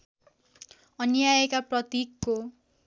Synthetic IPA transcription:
ʌnijajekaprʌt̪ikːo

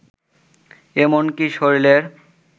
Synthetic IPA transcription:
emonkiʃoɾileɾ

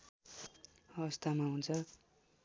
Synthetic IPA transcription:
ʌβʌst̪ʰamaɦunt͡sʰʌ

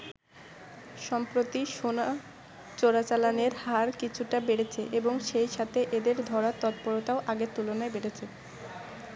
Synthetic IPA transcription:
ʃɔmpɾot̪iʃona | t͡ɕoɾat͡ɕalaneɾhaɾkit͡ɕʰuʈabeɾet͡ɕʰeʔeboŋʃejʃat̪ʰeʔed̪eɾd̪ʱɔɾat̪ɔt̪̚poɾot̪aoʔaɡeɾt̪ulonaebeɽet͡ɕʰe

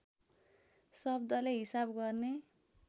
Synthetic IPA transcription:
sʌb̚d̪ʌleɦisabɡʌrne

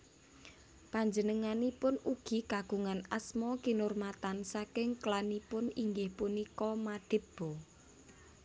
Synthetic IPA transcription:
paɲd͡ʒənəŋanipʊnuɡ̥i̤kaɡ̥ṳŋanasmɔkinʊrmat̪ansakɪŋklanipʊniŋɡɪhpunikɔmad̪̥ɪ̤b̥ɔ

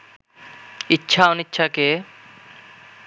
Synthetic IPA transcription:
ɪtːʃʰaːʊnɪtːʃʰaːkeː

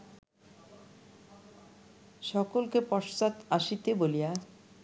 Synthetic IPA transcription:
ʃɔkolkepɔʃt̪at̪aʃit̪ebolija

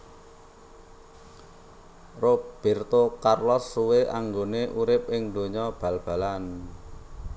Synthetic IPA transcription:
rob̥e̤rt̪okarlɔsːuweʔa̰ŋɡoneʔuɾɪp̚ɪŋd̪o̤ɲɔb̥ä̤lb̥a̤lan

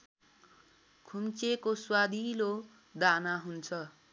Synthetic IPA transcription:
kʰumt͡sekoswad̪ʱilo | d̪anaɦunt͡sʰʌ

